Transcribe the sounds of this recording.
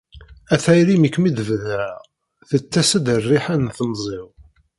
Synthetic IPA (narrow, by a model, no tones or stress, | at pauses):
æθæjɾiməkːmid̪əvðæ | θət͡sːæsəd̪ərːiħænθnzˤɪw